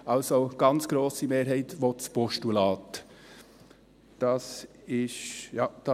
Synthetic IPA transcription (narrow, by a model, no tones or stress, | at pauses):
ɑlsoɡ̥ɑnt͡sɡ̥ɾoːsimeːɾɦɛɪt̪ʋot͡spɔʃtulɑːt̪ | d̥ɑs | ɪʃjɑd̥ɑ